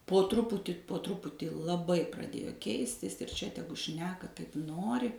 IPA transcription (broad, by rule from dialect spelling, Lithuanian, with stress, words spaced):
poː ˈtrʊpʊtʲiː poː ˈtrʊpʊtʲiː lˠɐˈbɐɪ prɐˈdʲeːjoː ˈkʲɛɪsʲtʲɪs ɪr ˈt͡ʃʲɛ ˈtʲæːɡʊ ˈʃʲnʲæːkɐ ˈkɐɪp ˈnoːrʲɪ